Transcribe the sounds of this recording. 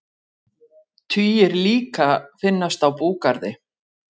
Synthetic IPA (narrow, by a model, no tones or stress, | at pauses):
t̪ʰviːɪɾliːkafɪnːast̪awpuːkaɾðɪ